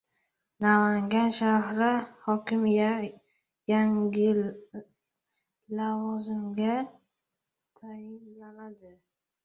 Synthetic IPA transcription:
namaŋɡʲanʃahɾɪhɒkʲɪmja | jaŋʲɪ | lavɒzɪmɡʲa | t̪ʰajɪnlanad̪ɪ

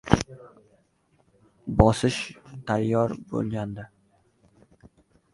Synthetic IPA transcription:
bɒsɪʃt̪ʰajːɒɾbo̰lˠɡʲand̪ɪ

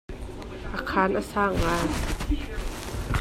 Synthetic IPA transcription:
ʔakʰaːnʔasaːŋaː

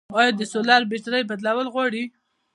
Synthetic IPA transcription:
ɑjd̪əsolɑɾbeʈɾəjbad̪lawəlɣwɑɽi

